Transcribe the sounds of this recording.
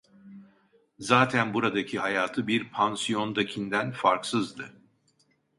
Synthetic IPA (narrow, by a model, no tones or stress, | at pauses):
zaːt̪ʰænbuɾad̪acʰihajaːt̪ʰɯbiɾpʰansijo̞nd̪acʰind̪ænfaɾksɯzd̪ɯ